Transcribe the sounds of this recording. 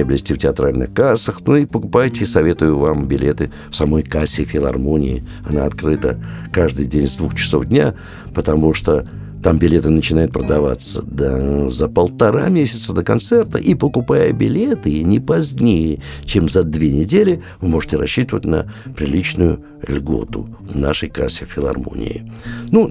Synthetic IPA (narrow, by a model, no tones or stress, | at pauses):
əblʲɪsʲtʲiftʲɪɐt̪ɾalʲnɨ̰xkasəxnuipəkʊpajtʲɪisɐvʲe̞t̪ʊjʊvambʲɪlʲʔe̞t̪ɨ | fsɐmo̞jkasʲɪfʲɪlˠɐ̰rmonʲɪ̰ɪ | ɐna̰ɐt̪kɾɨt̪ə̰kaʐd̪ɨjdʲenʲzd̪vuxt͡ɕɪ̥so̞vdʲnʲa | pət̪ɐmuʂt̪o | t̪ambʲɪlʲe̞t̪ɨnət͡ɕɪnajʊt̪̚pɾəd̪ɐva̰t̪sə̰d̪əzəpəlˠt̪ɐɾa̰mʲesʲɪ̥t̪səd̪əkɐnt̪sɛrt̪ə̰ʔipəkʊpajəbʲɪlʲet̪ɨnʲɪpɐzʲnʲejət͡ɕemzɐd̪vʲenʲɪdʲelʲɪ | vɨmo̞ʐɨtʲɪɾɐɕːit̪əvətʲnə̰pɾʲɪlʲit͡ɕnʊjʊ | lʲɡo̞̰t̪ʊ̰vnaʂəjkasʲɪfʲɪlˠɐ̰rmo̞̰nʲɪ̰ɪnu